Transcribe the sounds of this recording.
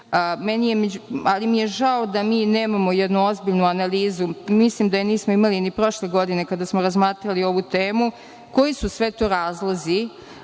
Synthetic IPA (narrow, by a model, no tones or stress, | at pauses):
menijemeualimije̞ʒaod̪amiːneːmamo̞jɛd̪nuo̞zbiʎnuanaliːzumislimd̪ajeniːsmoimalinipɾo̞ʃleɡo̞d̪ine̞kad̪asmoɾazmaːt̪ɾalio̞ʋut̪eːmu | ko̞jisusʋe̞t̪o̞ːɾaːzlˠazi